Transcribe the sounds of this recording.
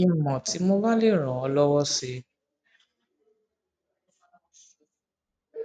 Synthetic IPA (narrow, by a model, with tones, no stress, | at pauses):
ĩ˧˦˨mɔ̃˨ti˨˦mo˦ba˦le˦˨ɾ̃ã˨ɔ˧lɔ˦wɔ˦se˧